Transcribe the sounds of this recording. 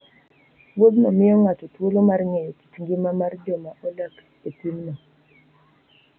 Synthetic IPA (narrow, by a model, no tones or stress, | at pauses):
wod̪nɔmɪɔŋat͡ʃɔtwolomarŋɛjɔti̥t͡ʃŋɡimamard͡ʒomaʔolak | etimnɔ